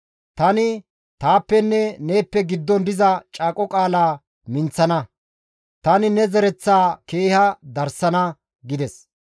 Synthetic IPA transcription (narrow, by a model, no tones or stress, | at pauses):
t̪ɐnɪ | t̪aːpːɛnːɛne̞ːpːɛɡɪd̪ːɔnd̪ɪzɐt͡ʃʼaːkʼɔkʼaːlaː | mɪnt͡sːɐnɐ | t̪ɐnɪnɛzɛɾɛt͡sːaːkeːhɐd̪ɐɾsɐnɐ | ɡɪd̪ɛs